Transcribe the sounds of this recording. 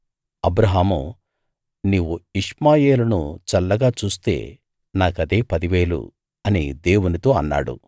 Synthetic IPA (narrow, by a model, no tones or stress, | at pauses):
ɐbɾɐɦaːmṵ | niːʋuiʂmaːje̞ːlɐnṵt͡ʃɐlːɐɡaːt͡ʃuːst̪e̞̰ː | naːkɐd̪e̞ːpɐd̪iʋe̞ːlṵ | ɐnḭd̪e̞ːwunit̪o̞ːɐnːa̰ːɽṵ